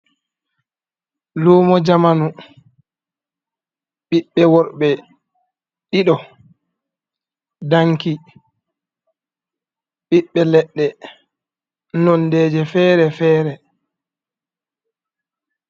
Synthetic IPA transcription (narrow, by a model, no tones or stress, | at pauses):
loːmɔd͡ʒamanu | ɓiɓːɛwɔɾɓɛ | ɗiɗɔ | daŋki | ɓiɓːɛlɛɗːɛ | nɔndɛːd͡ʒɛfɛːɾɛfɛːɾɛ